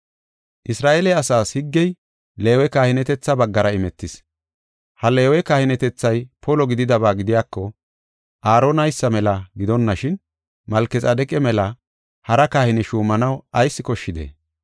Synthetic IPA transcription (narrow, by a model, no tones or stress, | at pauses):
ʔɪsɾaːʔeːlɛɐsaːshɪɡːɛj | le̞ːwɛkaːhɪnɛt̪ɛt͡sːɐbɐɡːɐɾɐɪmɛt̪ːɪs | hɐle̞ːwɛkahɪnɛt̪ɛt͡sːɐjpʰɔlɔɡɪd̪ɪd̪ɐβaːɡɪd̪ɪjaːkːɔ | ʔaːɾonɐjsːɐmɛlɐɡɪd̪ɔnːɐʃɪn | mɐlkːɛt͡sʼɐd̪ɛkʼɛmɛlɐ | hɐɾɐkahɪnɪʃuːmɐnɐwɐjsːɪkɔʃːɪd̪ḛː